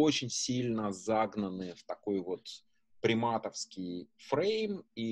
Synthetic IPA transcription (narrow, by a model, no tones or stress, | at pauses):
o̞t͡ɕɪnʲsʲilʲnəzaɡnənɨft̪ɐko̞jvo̞t̪ | pɾʲɪmat̪əfskʲɪjfɾejmi